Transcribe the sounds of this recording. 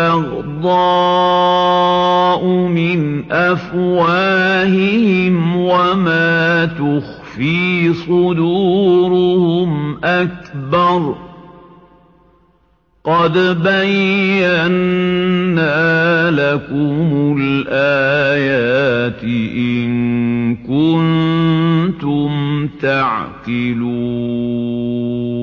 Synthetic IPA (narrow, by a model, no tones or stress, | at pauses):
ɑɣ | d̪ˤɑ | ʔʊmɪnʔafwaːhɪhɪmwamaːt̪ʊxfiːsˤʊd̪uːɾʊhʊmʔak̚bɑɾˤ | qɑd̪bajːanː | aːlakʊmʊlʔaːjaːt̪ɪʔɪnkʊn | t̪ʊmt̪aʕqɪluː